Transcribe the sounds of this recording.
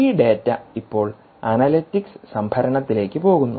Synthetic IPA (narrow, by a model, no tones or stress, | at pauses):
iːɖe̞ːtːɐipːo̞ːɭ | ɐnɐlitːiksɨsɐmbʰʱɐɾɐɳɐt̪ːile̞ːkʲːɨpo̞ːɣunːu